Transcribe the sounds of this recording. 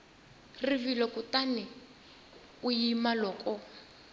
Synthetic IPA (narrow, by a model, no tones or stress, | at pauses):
rivilɔkutanɛ | ujimalɔkɔ